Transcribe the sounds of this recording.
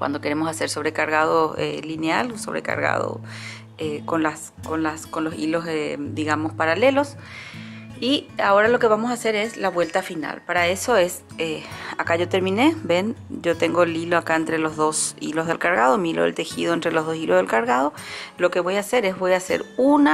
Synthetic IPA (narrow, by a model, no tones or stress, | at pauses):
kwʔa̰nd̪o̞ke̞ɾe̞mosase̞ɾso̞βɾe̞kaɾɣað̞oḛlinealsoβɾe̞̰ka̰ɾɣa̰ðo̰ | ekonlas | konlasko̞nlo̞sḭlo̞sed̪iɣamo̞spaɾale̞lo̞s | iao̞ɾalo̞ke̞βamosaːse̞ɾe̞slaβwe̞lt̪afina̰lpaɾae̞so̞e̞s | eakaʝo̞t̪e̞ɾmĩne̞be̞nd͡ʒo̞t̪e̞ŋɡo̞eliloakaent̪ɾe̞lo̞zðo̞sḭlo̞zð̞e̞lkaɾɣað̞o̞miiloðelt̪e̞xiðoent̪ɾelo̞zðo̞silo̞zð̞e̞lkaɾɣaðo̞lo̞keβo̞jase̞ɾe̞sβo̞jase̞̰ɾuna